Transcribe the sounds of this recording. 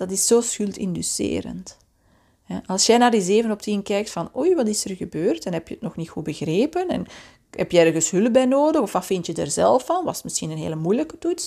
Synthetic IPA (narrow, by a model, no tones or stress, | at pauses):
d̥ɑtɪsːoːsxʏlˠtɪ̰ndysḛːɾə̰nt | hɛʔɑlˠsjɛnaːrdizeːvənɔp̚tinkɛjk̚tfɑnojʋɑtɪsərɣəbøːrtɛnɦɛpjəətnɔxnitxubəɣreːpənɛ̰n | ɦɛpjəɛrɣənsɦʏləbɛjnoːdəxɔfʋɑfɪntjəda̰rzɛlˠfɑnʋɑ̰sətmɪsxinənɦḛːləmujləkə̥tuts